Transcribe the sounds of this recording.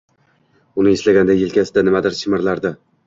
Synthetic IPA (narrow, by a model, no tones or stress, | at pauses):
ʊnɪeslaɡʲand̪ajɪlkʲʰasɪd̪anɪmad̪ɪɾʃɪmɪɾlaɾd̪ɪ